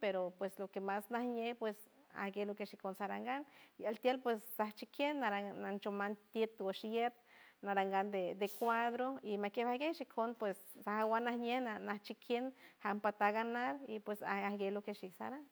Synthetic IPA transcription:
peɾopweslokemasnahɲehpwes | a̰hɡelokeʃikonsaɾaŋɡanialt̪jelpwesːaht͡ʃikjenːaɾaant͡ʃomant̪jet̪waʃjet̪̚naɾaŋɡand̪ed̪ekʷad̪ɾoimakjehaɡeʃikʰonpwessahawanahɲehnanaht͡ʃikʰjenhampat̪aɡanaɾipwesaahɡelokeʃiksa̰ɾan

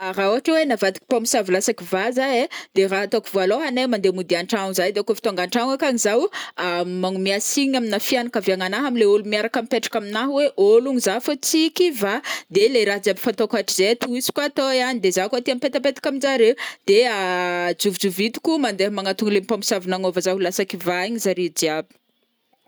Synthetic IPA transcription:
aɾauaʈ͡ʂewenavat̪i̥ki̥pompi̥savilasakivazaed̪̥eraɦat̪okivoaloɦanemand̪emud̪iaɳʈ͡ʂaŋizajd̪eakofi̥t̪oŋɡaɳʈ͡ʂaŋakanizawamaŋumiasiɲaminafianakaviaŋanaɦamileulumiaɾakamipeʈ͡ʂḁkaminaɦweʔoluŋizafot͡sikivad̪eleɾaɦd͡ʒiabifant̪okaʈ͡ʂizet̪uisi̥kat̪ojanid̪ezakat̪iamipet̪apet̪ḁkamind͡zaɾewd̪̥ead͡ʒuvid͡ʒuvit̪u̥kumand̪eɦmaŋat̪uŋlempompsavinaŋovazaulasakivaiɲizaɾid͡ʒiabi̥

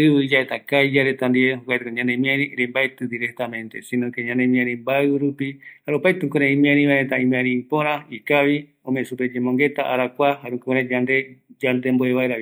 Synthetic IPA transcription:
ɨβɨid͡ʒaet̪akajd͡ʒaɾet̪and̪ieɦokʷwajt̪ekoɲãnemĩãɾĩɾembaet̪ɨd̪iɾek̚t̪amẽ̞nt̪e̞sĩnõkeɲãnemĩãɾ̃ĩmbaɨɾupihaɾeopajt̪ɨ̃koɾẽĩmẽãɾĩβaeet̪aĩmẽãɾ̃ĩpõɾ̃ãikaβi | õmẽsuped͡ʒemõŋɡe̞t̪aʔaɾakʷaɦaɾũkoɾẽd͡ʒand̪e̞d͡ʒand̪e̞mboeβaeɾaβi

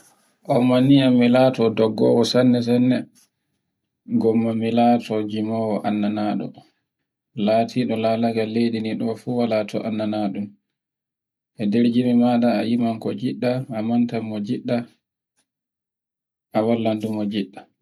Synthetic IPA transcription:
ʔɔmaniamːilaːtɔdɔɡːɔ̰ːwɔsanːɛs̬anːɛ | ɡɔmːamilatɔd͡ʒimɔwɔʔanːanaːɗɔ̰ | latʰiɗɔlalaɡalːejdiniɗɔfuwalatʰɔ̰ʔanːanaɗum | ʔɛdeɾd͡ʒimimaɗaːjimaŋkɔd͡ʒiɗːaːmantamːɔd͡ʒiɗːa | ʔawalːandumɔd͡ʒiɗːa

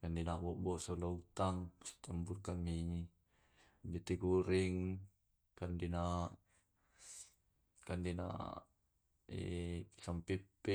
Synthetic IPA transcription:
kandinabɔʔbɔsolaut̪aŋsi̥t̪əmburkamiɲi | bit̪ikuɾiŋ | kandina | kandina̰ | ḛsampipːɛ

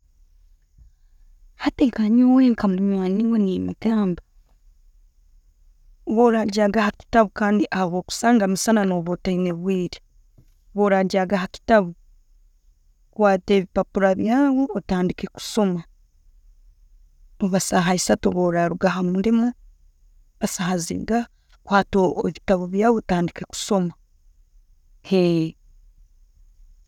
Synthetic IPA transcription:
hateŋkaɲuweːŋkamuɾimwaniŋɡonimakaːmba | βoɾaɟaɡahaki̥taβukaːndiʔahaβo̞ːku̥saːŋɡamisananoβotaine̞βwiːɾe | βo̞ɾaɟaɡahaki̥taβu | kwaːte̞ːβipapuɾaβjaːwoːtaːndike̞ku̥so̞ma | oβasaɦaisatoβoːɾaɾuɡaɦamundima | βasahazḭɡa | kwaːtoβitaβuβjaːwotaːndike̞ku̥so̞ma | he

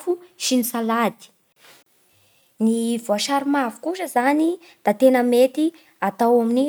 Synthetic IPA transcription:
fuʃinisalad̪i̥ | nivoaʃaɾimavu̥kuʃəzani | d̪̥at̪enəmet̪i | at̪awamini

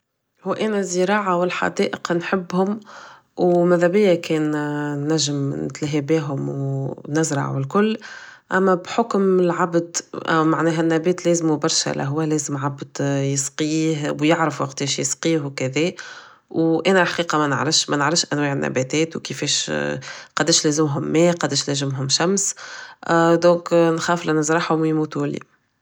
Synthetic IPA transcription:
hʊːʔɛːnæzːəɾɑːʕawɪlħa̰d̪ɛːʔəqnħɪbːhʊm | wmæðæbɪjːækɛːnnːæʒːəmnɪ̰t̪lɦæbiːɦʊmwnɪzɾˤɑ̰ʕ̰wɪlkʊlːʔæmːæbħʊkmɪlʕabd̪maʕnɛːɦænːæbɛːt̪lɛːzmubɑɾˤʃæ̰lʔæ̰ɦʊwælɛːzəmʕabd̪jəsqiːɦwjɪʕɾəfwɑqt̪iːʃjə̰sqiːhwkæðɛː | wʔɛːnælħḁqiːqɑmænə̰ʕɾɪfʃmɛnəʕɾɪfʃʔænwɛːʕɪnːæ̰bɛt̪ɛːt̪wkəfɛːʃ | qɑd̪eːʃlɛːzɪmɦʊmːɛːqɑd̪eːʃlɛzɪmɦʊmʃæms | d̪ɔ̃ːknxɑːflʔænəzɾˤɑħhʊmwjmuːt̪ulḭː

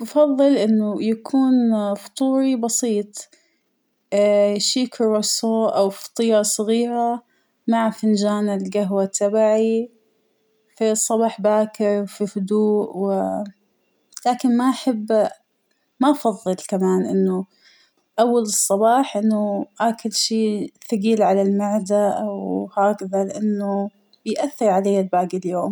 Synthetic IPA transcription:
ɑfɑðˤːɨlʔɪnːʊjakʰuːnft̪ˤuːɾibɑsiːt̪ˤ | ʃiːkʊɾˤosoːʔawfɑ̥t̪ˤiːɾɑsˤɣiːɾa | maʕafɪnd͡ʒaːnɪlɡaɦwat̪ʰːabaʕi | fisˤːɑbɑːħbaːkɪɾfifʊd̪uːʔwɪ | laːkɪnmaʔaħabː | maʔɑfɑðˤːɨlkamaːnʔɪnːʊ | ʔawːalɨsˤːɑbɑːħʔɪnːʊʔaːkɪlʃiːθaɡiːlʕalalmaʕd̪aʔawhaːkaðalɪʔanːʊ | b̥ɪjʔaθːɪɾʕaleːalbaːɡɪljoːm

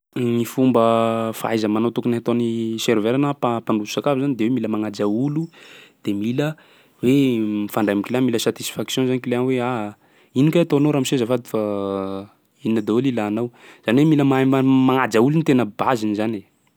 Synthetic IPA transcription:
nifumbəfaajzəmanowt̪ukuniat̪oniseɾveɾanəpapaɳɖ͡ʐuzusakavizanid̪ewemiləmaŋad͡ʒaulud̪̥emilə | wemfaɳɖ͡ʐajmikʲilamiləsat̪isi̥faksjɔ̃nzanikileanweaɦ | inikeat̪onoɾamisezəfad̪i̥fa | ininəd̪ewelilaːnawz̥aniwemiləmmaŋad͡ʒaulunit̪enəbazinizane

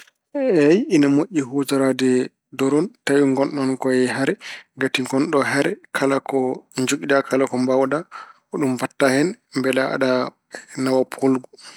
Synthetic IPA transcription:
ɛjinamoʔːiɦotɔɾadɛ | dɔɾɔntajuŋɡɔnɗɔnkɔjɛɦaɾɛɡatikɔnɗɔɦaɾɛkʰalakɔɲd͡ʒuɡidakʰalakɔmbawda | ɔɗumfatːahɛnmbɛlaa̰ɗa | nawapʰolɡu

